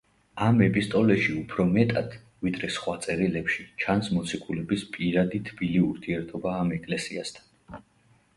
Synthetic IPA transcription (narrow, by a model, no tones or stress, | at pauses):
amɛpʰʼist̪ʼɔlɛʃiupʰɾɔmɛt̪ʼa̰d̪̥ | vid̪ɾɛsχwat̪sʼɛɾilɛpʃit͡ʃʰansmɔt̪sʰikʰʼulɛbispʼiɾad̪it̪ʰb̥iliuɾt̪ʰiɛɾt̪ʰɔbaːmɛkʼlɛsiast̪ʰan